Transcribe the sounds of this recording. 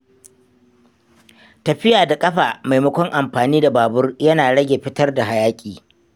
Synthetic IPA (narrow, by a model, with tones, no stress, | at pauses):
tɐ˨ɸɪ˦jaː˨da˨kʼɐ˦ɸaː˨ma˨jmɐ˦kʷɔ˦ŋʔa˨mɸaː˨niː˦da˨baː˨bʊ˦rjɐ˦naː˨ɽɐ˦ɡʲe˨ɸɪ˦tɐ˦rda˨ɦa˨jaː˦kʲʼiː˨